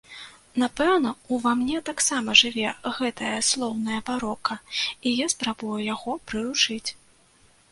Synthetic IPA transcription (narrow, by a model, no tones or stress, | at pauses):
napɛwnɐuvamnʲɛt̪aksamɐʐɨvʲɛɣɛt̪ɐjɐslˠɔwnɐjɐpaɾɔkɐijaspɾabujujaɣɔpɾɨɾut͡ʂɨt͡sʲ